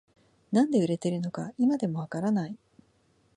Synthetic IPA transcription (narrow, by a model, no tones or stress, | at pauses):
nãnd̪e̞ɯ̟ɾe̞t̪e̞ɾɯ̟no̞kaimad̪e̞mo̞βakaɾanai